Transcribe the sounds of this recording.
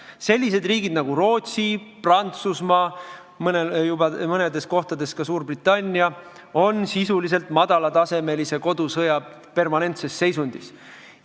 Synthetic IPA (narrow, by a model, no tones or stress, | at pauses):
se̞lʲːise̞d̪riːɡid̪̚nɑɡuɾo̞ːt̪siprɑnt̪susmɑː | mɤnejubɑmɤne̞d̪e̞sko̞ht̪ɑd̪e̞skɑsuːrbrit̪ːˑɑnʲːiɑ | o̞nsisulis̬e̞lt̪mɑd̪ɑlɑt̪ɑse̞me̞lise̞ko̞d̪̥usɤjɑ | pe̞rmɑne̞nt̪se̞sːe̞jsunʲd̪̥is